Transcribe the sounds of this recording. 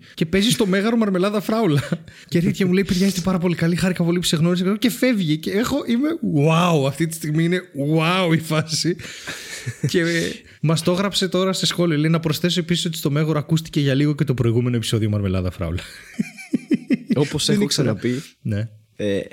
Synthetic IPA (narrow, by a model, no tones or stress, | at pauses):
ce̞pe̞zist̪o̞me̞ɣɐɾomɐɾme̞lɐðɐfɾɐulɐceeθit̪çɐmule̞jpeɾʝɐzet̪e̞pɐɾɐp̬o̞likɐlixɐɾikɐpo̞lipu̥se̞ɣno̞ɾis̬ece̞fe̞vʝiceexo̞ʔime̞wwauɐft̪it̪i̥st̪iɣmiine̞wauifɐsi | ce̞ | mɐst̪o̞ɣɾɐpse̞t̪o̞ɾɐsesxo̞liolejnɐpɾo̞sθe̞s̬oe̞pisiso̞t̪i̥st̪o̞me̞ɣoɾoɐkust̪i̥ce̞ʝɐliɣo̞ce̞t̪opɾo̞iɣume̞noepi̥so̞ðio̞mɐɾme̞lɐ̰ðɐfɾɐ̰ṵlɐ | oposenksɐnɐpine̞ | e